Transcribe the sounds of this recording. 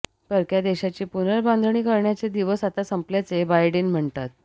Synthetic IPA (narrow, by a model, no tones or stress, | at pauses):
pəɾkjad̪eɕat͡ɕiːpunəɾbãnd̪ʱəɳ̃iːkəɾɳjat͡sed̪iʋəsat̪asəmpljat͡sebajɖenm̤əɳt̪at̪̚